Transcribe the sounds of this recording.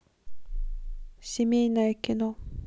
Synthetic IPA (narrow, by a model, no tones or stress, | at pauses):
ɕiminaikino